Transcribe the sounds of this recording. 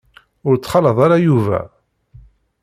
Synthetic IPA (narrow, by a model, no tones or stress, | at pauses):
ʊɾt͡sːχɑləðˤaɾajuvæ̰